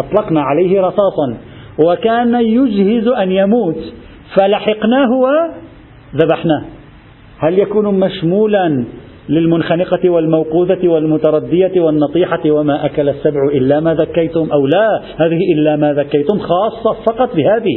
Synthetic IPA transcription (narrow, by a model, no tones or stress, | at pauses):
ʔɑt̪ˤlɑqnaʕalajhɪɾˤɑsˤɑːsˤɑn | wakaːnajʊd͡ʒhɪzʔanjamuːt̪ | falaħɪqnaːɦʊwa | ðabaħna | haljakuːnmaʃmuːlan | lɪlmʊnxanɪqɑwalmawquːðawalmʊt̪ɑɾˤɑd̪ːɪjawanːɑt̪ˤiːħɑwamaʔakalasːabʕʊʔɪlːamaːðakːajt̪ʊmʔawla | haːðɪhɪʔɪlːamaðakːajt̪ʊmxɑːsˤːɑfɑqɑt̪ˤbɪhaːðɪ